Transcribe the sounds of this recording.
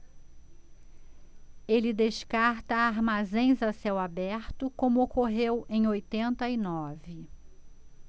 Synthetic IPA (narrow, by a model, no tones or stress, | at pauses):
elɪd̪eʃkaɾt̪ɐaɾmazẽj̃zasɛwabɛɾt̪ʊkõmʊokoɦewẽj̃ojt̪ẽnt̪ɐinɔvɪ